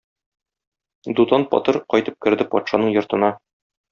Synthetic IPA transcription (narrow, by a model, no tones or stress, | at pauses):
d̪ut̪ɑnpɒ̰t̪ɤɾqɒjt̪ɤp̚kɘ̆ɾd̪ɘpɒt̪ʃɑnɤɴjŏɾt̪ɤ̆nɑ